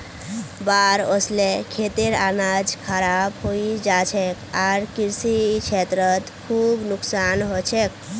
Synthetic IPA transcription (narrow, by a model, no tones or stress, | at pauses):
baɾoslekʰet̪eɾanad͡ʒkʰəɾabɦoid͡ʒat͡ʃʰɛkaɾkiɾsikt͡ʃʰet̪ɾət̪kʰubnʊksanɦot͡ʃʰɛk̚